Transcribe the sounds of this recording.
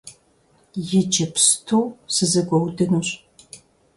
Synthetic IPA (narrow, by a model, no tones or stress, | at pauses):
jɪd͡ʒɐpstʰuwsɨzɐɡʷɔwdɨnuɕʼ